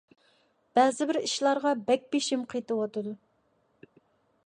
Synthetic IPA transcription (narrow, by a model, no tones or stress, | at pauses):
b̥ɛzɪbɪɾiʃlˠɑɾʁɑbɛk̚ʲbeʃimqʰet̪ɨwɑt̪ɨd̪u